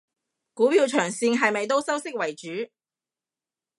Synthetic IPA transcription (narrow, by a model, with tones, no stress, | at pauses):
kuː˨˥piː˧wt͡ʃʰœː˨˩ŋsiː˧ŋɦɐ˨jmɐ˨jt̪̬o˥wsɐ˥wsɪ˥k̚wɐ˨˩jt͡ʃyː˨˥